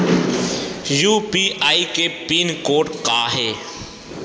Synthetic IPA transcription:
juːpiːʔaːikepiːnkoːʈkaːɦɛː

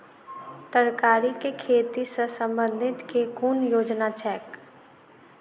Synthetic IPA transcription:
t̪əɾkaːɾikekʰeːt̪isəsə̃mbə̃nd̪ʱɪt̪kekuːnjoːd͡ʒnat͡ʃɛːk

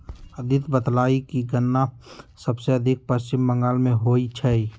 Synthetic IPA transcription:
əd̪ʱɪt̪bəd̪laːikiɡənːasəbseəd̪ʱɪk̚pəst͡ʃɪmbə̃ŋɡaːlmẽɦoːit͡ʃʰɛi

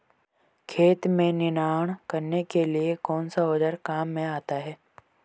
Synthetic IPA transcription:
kʰeːt̪mẽnɪnaːɽ̃kɐɾnekeliekɔːnsaʊd͡ʒəɾkaːmːẽaːt̪aɦɛː

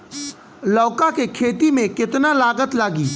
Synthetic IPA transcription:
lɔːkakekʰeːt̪imẽkɪt̪nalaːɡət̪laːɡiː

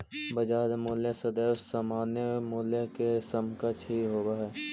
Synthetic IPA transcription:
bɐd͡ʒaːd̪moːljesəd̪eʊsamaːnjemuːlekesəmkət͡ʃɦiɦoːbaɦɛː

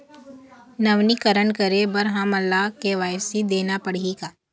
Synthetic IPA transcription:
nɐʋnikəɾəɳkəɾebəɾɦamɐlːaɦkeʋaːjsid̪eːnapɐɽikaː

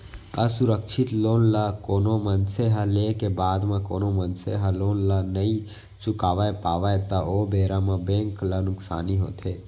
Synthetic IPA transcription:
əsʊɾəkʃʰɪt̪loːnlakoːnomənseɦaleːkebaːd̪mãkoːnomənseɦaloːnlanəĩ | t͡ʃʊkaːʋaepaːʋajt̪aʔobeːɾamãbẽːŋklɐnʊksaːniɦo̰ːt̪ʰe

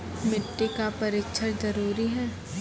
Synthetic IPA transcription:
mɪʈːikapɐɾɪkʃʰəɾd͡ʒɐɾuːɾiɦɛː

